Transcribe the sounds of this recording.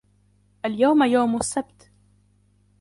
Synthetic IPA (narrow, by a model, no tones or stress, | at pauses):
ʔaljawmajawmʊsːabt̪